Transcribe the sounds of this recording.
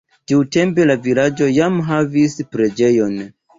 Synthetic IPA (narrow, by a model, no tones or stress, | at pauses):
tiwte̞mpe̞lavilad͡ʒo̞jamɦavispɾe̞d͡ʒe̞jo̞n